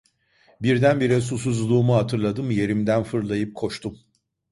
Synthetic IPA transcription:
biɾd̪ænbiɾɛs̬us̬uzlˠuːmuɦat̪ʰɯɾlˠad̪ɯmje̞ɾimd̪ænfɯɾlˠajɯp̚kʰo̞ʃt̪ʰum

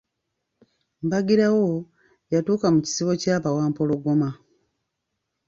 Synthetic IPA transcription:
mbaɡiɾawo | jatuːkamuci̥siβo̞caːpawaːmpo̞lo̞ɡo̞ma

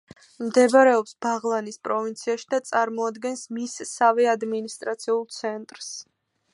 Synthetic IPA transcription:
md̪ɛbaɾɛɔpsbaʁlˠanispʼɾɔvint̪sʰiaʃid̪at̪sʼaɾmɔad̪ɡɛnsmisːavɛad̪minist̪ʼɾat̪sʰiulˠt̪sʰɛnt̪ʼɾs

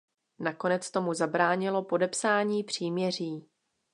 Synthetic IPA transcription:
nako̞nɛt͡st̪o̞muzabɾaːɲɪlo̞po̞dɛpsaːɲiːpr̝̥iːmɲɛr̝iː

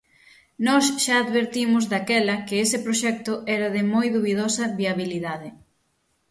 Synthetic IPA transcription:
nɔsʃaːðβeɾt̪imʊzðakɛlɐkɪesɪpɾoʃɛk̚t̪ʊʔɛɾɐðɪmojðuβiðɔsɐβiaβiliðaðɪ

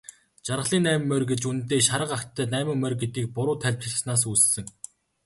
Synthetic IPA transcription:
t͡ɕaɾʁə̆ɮiːnːæːmmːœrɡet͡ɕun̆t̪eːʃaɾə̆qakt̪ʰːæːnæːmɪ̆ŋmœrʲɡet̪iːk̚pʊɾʊːt̪ʰæɮʲp̚t͡ɕɪ̆ɮsnaːs̬uːssɘ̆ŋ

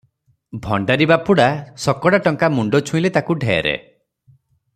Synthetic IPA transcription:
bʱɔɳɖaɾibapuɽasɔkɔɽaʈɔŋkamuɳɖɔt͡ʃʰũilet̪akuɖʱejḛɾḛ

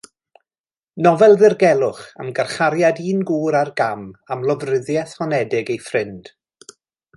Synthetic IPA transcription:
nɔvɛlˠðɪrɡɛlˠʊχə̰mɡarχaɾjadiːnɡuːɾarɡamamlˠɔvrɪðjɛθhɔnɛdɪɡejfrɪnd̥

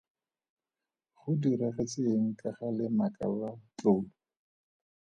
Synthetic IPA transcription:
χʊdiɾɛχet͡sʼeːŋ̩kʼaχalɪmakʼa̰lat͡ɬoːlɔ

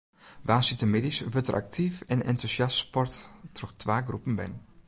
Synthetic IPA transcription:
ʋaːsitəmɪdisʋøtərʔa̰k̚tʰifɛnɛntusjastspɔrttrɔxtʰʋaːɡrupən̩bɛ̰n

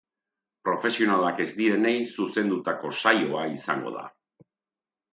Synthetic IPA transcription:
pɾo̞fe̞sio̞nalake̞zd̪iɾe̞ne̞jsuse̞nd̪ut̪ako̞sajo̞aisa̰ŋɡo̞̰ð̞a̰

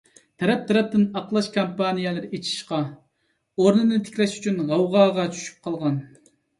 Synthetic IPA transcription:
t̪ʰɛɾɛp̚t̪ʰɛɾɛp̚t̪ɪnɑqlˠɑʃkʰampɑnijɛlˠɨɾɪet͡ʃʰi̥ʃqɑ | oɾnɨnɨt̪ʰe̥kʲlɛʃy̥t͡ʃʰynʁɑwʁɑːʁɑt͡ʃʰy̥ʃy̥p̚qʰɑlˠʁɑn

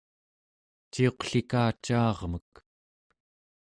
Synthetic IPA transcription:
t͡ʃio̞qɬikaːt͡ʃːɑːʁmək

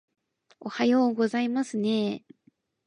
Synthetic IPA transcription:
ohajo̞ːɡo̞zaimasɨne̞

